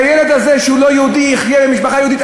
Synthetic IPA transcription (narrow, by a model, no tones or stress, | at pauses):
jeled̪azeʃeulojɛhud̪iiχjebemiʃpaχajehud̪it̪